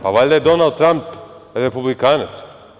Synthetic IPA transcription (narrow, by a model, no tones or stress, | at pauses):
pavalʲd̪ɛd̪onalˠd̪t̪ːɾamp | ɾepublikaːnɛt̪s